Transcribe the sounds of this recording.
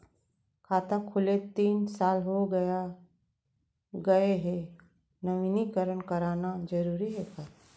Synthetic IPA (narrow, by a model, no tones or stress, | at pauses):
kʰaːt̪akʰʊlet̪iːnsaːlɦoɡɐa | ɡɐeɦɛ | nəʋinikəɾəɳkəɾaːnad͡ʒəɾuːɾiɦekaː